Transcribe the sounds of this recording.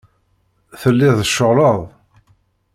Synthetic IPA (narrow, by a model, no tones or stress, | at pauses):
θəlːɪðˤəʃːoʁləðˤ